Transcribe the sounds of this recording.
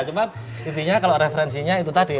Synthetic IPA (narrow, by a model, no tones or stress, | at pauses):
t͡ʃəpat̪ | it̪iɲakaloɾefeɾɛnsiɲait̪̬ut̪adi